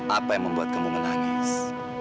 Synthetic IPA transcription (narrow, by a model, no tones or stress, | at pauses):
ʔapajaŋməmbuat̪̚kəmuməlaɡas